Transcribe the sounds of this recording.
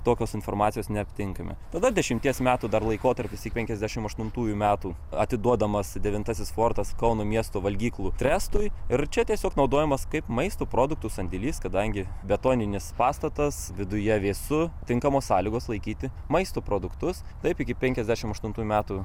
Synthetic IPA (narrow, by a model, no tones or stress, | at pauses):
t̪oːkʲoːsɪnfoːrmɑːt̪sʲɪjoːsnʲɛɐpʲt̪ʲɪŋkɐmʲɛ̰t̪ɐd̪ɐd̪ʲɛʃʲɪmʲt̪ʲiɛsmʲæːt̪uːd̪ɐrlˠɐɪkoːt̪ɐɾʲpʲɪsɪkpʲɛŋʲkʲɛzʲd̪ʲæːʃʲɪmɐʃt̪ʊnt̪uːjumʲæːt̪uːɐt̪ʲɪd̪uɔd̪ɐmɐsd̪ʲɛʋʲɪnt̪ɐsʲɪsfoːrt̪ɐskɐʊnoːmʲiɛst̪oːʋɐlʲɡʲiːklˠuːt̪ʲɾʲæːst̪ʊjɪɾt͡ʃʲɛt̪ʲiɛsʲoːknɐʊd̪oːjɛmɐskɐɪpmɐɪst̪oːpɾoːd̪ʊk̚t̪ʊsɐnʲd̪ʲɪlʲiːskɐd̪ɐŋʲɡʲɪbʲɛt̪oːnʲɪnʲɪspɑːst̪ɐt̪ɐsʋʲɪd̪ʊjɛʋʲeːsʊt̪ʲɪŋkɐmoːssɑːlʲiɡoːslˠɐɪkʲiːt̪ʲɪ | mɐɪst̪oːpɾoːd̪ʊkt̪ʊs | t̪ɐɪpɪkʲɪpʲɛŋʲkʲɛzʲd̪ʲæʃʲɪmɐʃt̪ʊnt̪uːjumʲæːt̪u